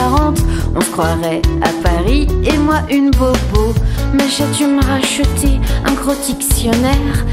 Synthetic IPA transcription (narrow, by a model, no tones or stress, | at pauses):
aʁɑ̃t̪ɔ̃kχwaʁɛapaʁiemwaʔynbobomɛʒad̪yməʁaʃət̪eɛ̃ɡʁod̪iksjɔnɛːʁ